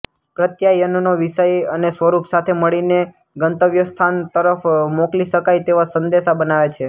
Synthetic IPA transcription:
kɾət̪jajənonoʋiʃəjənesʋəɾupsat̪ʰeməɭine | ɡənt̪əʋjəst̪ʰant̪əɾəfmokliʃəkajt̪eʋasənd̪eʃabənaʋet͡ʃʰe

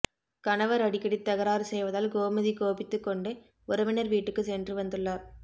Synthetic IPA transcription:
kɐɳɐʋɐɾɐɽɪkːɐɽit̪ːɐɣɐɾaːɾɯsɛjʋɐðaːlɡoːmɐðikoːpɪt̪ːɯkːɔɳɖeː | ʊɾɐʋɪnɐɾʋiːʈːɯkːɯsɛndrɯʋɐnd̪ɯɭːaːɾ

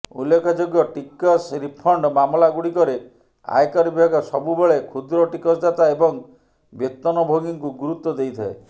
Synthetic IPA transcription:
ṵlːekʰɔd͡ʒoɡjɔʈikɔsɾipʰɔɳɖmamɔlaɡuɽikɔɾe | a̰jkɔɾibibʱaɡɔsɔbubeɭekʰud̪ɾɔʈikɔsd̪at̪aebɔŋ | bjek̚t̪ɔnɔbʱoɡiŋkuɡuɾut̪ːɔd̪ejt̪ʰae

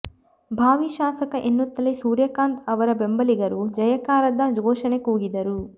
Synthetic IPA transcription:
bʱaːʋiʃaːsɐkɐʔenːut̪ːɐlisuːɾjɐkaːnt̪ɐʋɐɾɐbe̞mbɐliɡɐɾud͡ʒɐjɐkaːɾɐd̪ɐd͡ʒɣɔːʃɐnekuːɡid̪ɐɾu

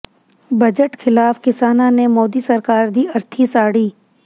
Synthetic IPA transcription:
bɐd͡ʒəʈxʰɪlaːfkɪsaːnanemɔːd̪isɐɾkaːɾd̪iɐɾt̪ʰisaːɽiː

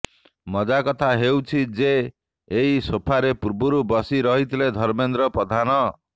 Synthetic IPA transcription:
mɔd͡ʒakɔt̪ʰaɦewt͡ʃʰid͡ʒeː | ɦisopʰaɾepuɾbuɾubɔsiɾɔɦit̪iled̪ʱɔɾmend̪ɾɔpɾɔd̪ʱanɔ

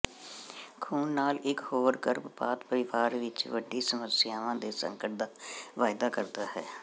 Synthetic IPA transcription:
kʰuːnnaːlɪkhoːɾkəɾbpaːt̪pəɾɪʋaːɾʋɪt͡ʃʋəɖːiːsəməsɪjaːʋãːd̪eːsə̰̃ŋkəʈ̚d̪aːʋaːɪd̪aːkəɾd̪aːɦɛː

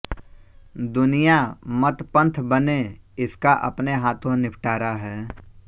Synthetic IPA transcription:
d̪ʊnijamət̪pə̃nt̪ʰbəneɪskaʔɐpneɦaːt̪ʰõnɪpʰʈaːɾaɦɛː

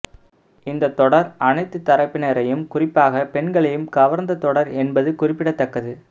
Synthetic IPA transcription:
ɪnd̪ɐt̪ːɔɽɐɾɐnɐɪt̪ːɯt̪ːɐɾɐpːɪnɐɾɐjɯmkʊrɪpːaːɣɐpɛɳɡɐɭɐjɯmɡɐʋɐɾnd̪ɐt̪ɔɽɐɾɛnbɐðɯkʊrɪpːɪɽɐt̪ːɐkːɐðɯ

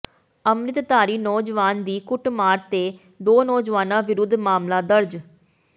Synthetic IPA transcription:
əmɾɪt̪t̪aːɾiːnɔːd͡ʒʋaːnd̪iːkʊʈmaːɾt̪eː | d̪oːnɔːd͡ʒʋaːnãːʋɪɾʊd̪ʱmaːmlaːd̪əɾd͡ʒ

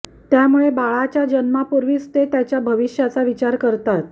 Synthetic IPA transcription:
t̪jamuɭebaɭat͡ɕjad͡ʑənmapuɾʋiːt͡st̪et̪jat͡ɕjabʱəʋiɕjat͡saʋit͡ɕaɾkəɾt̪at̪̚

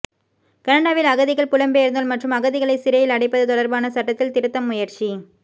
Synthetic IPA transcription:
kɐnɐɽaːʋɪlɐɣɐðɪɣɐɭpʊɻɐmbeɛɾɯnd̪aːlmɐʈrɯmɐɣɐðɪɣɐɭɐɪsɪɾɐjɪlɐɽɛɪpːɐðɯt̪ɔɽɐɾbaːnɐsɐʈːɐt̪ːɪlt̪ɪɾɯt̪ːɐmːʊjɐɾt͡ʃi

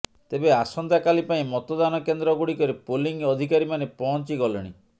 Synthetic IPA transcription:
t̪ebeasɔnt̪akalipaĩmɔt̪ɔd̪anɔkend̪ɾɔɡuɽikɔɾepoliŋɡɔd̪ʱikaɾimanepɔɦɔ̃nt͡ʃiɡɔlɔɽ̃ḭ

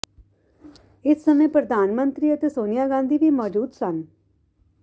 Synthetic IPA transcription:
ɪsːəmẽːpɾəd̪aːnmənt̪ɾiːət̪eːsoːnɪjaːɡãːnd̪iːʋʱiːmɔːd͡ʒuːd̪sən

